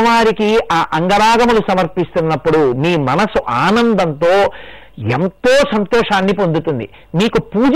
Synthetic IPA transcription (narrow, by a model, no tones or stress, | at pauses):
ʋaːɾikiʔaːʔɐŋɡɐɾaːɡɐmulusɐmɐɾpist̪unːɐpːuɽumiːmɐnɐsuʔaːnɐnd̪ɐnt̪o̞ː | ḛnt̪oːsɐnt̪ɔːʂaːnːip̬o̞nd̪ut̪und̪ḭ | miːkupuːd͡ʒ